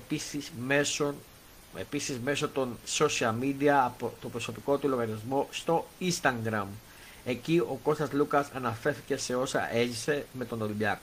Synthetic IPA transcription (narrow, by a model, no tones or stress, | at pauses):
episizmeso | ḛpisizme̞so̞t̪o̞nso̞siɐlmid̪iɐːpot̪obɾo̞so̞piko̞t̪ulo̞ɣɐɾiɐzmo̞st̪o̞inst̪ɐŋɡɾɐm | e̞cio̞ko̞st̪ɐzlukɐsɐnɐfe̞ɾθice̞se̞o̞sɐ̰ʔe̞ʝise̞me̞t̪o̞no̞libiɐko